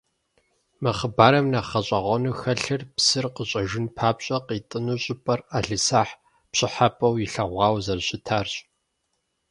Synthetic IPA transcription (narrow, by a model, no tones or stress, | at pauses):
mɐχəbaːɾɐmnaːχɐɕʼɐʁʷɔnuːxɐɬɨrpsɨrqəɕʼɐʒɪnpʰaːpɕʼɐqiːtʼɨnuːɕʼɪpʼɐraːɮɨsaːħ | pɕʼɪħapʼɐwjɪɬɐʁʷɑːwzɐrɕɪtʰaːrɕʼ